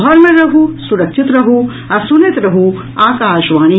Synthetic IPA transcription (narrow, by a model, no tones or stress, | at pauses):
ɦɐɾmẽɾɐɦusuɾɐkʃʰit̪ɾɐɦu | ɐsunet̪ɾɐɦu | aːkaːʃʋaːni